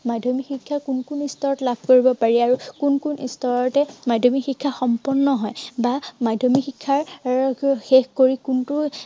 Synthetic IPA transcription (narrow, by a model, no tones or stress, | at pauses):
madʱomixikʰːakunkunistɔɹɔtlabʱkoɹibɔpaɹiaɹukunkunʔḭstɔɹɔtɛmadʱomixikʰːaxɔmpɔnːɔɦɔjbamadʱomixikʰːaɹ | xexkoɹikuntu